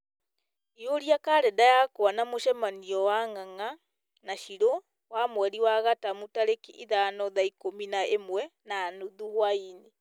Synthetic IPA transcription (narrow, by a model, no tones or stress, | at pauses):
ioɾiakaɾɛdajakoanamoʃɛmaniɔwaŋaŋa | naʃiɾo | wamwɛɾiwaɣatamutaɾekiʔiðanɔðaikominaemwɛnaːnuðuhwaine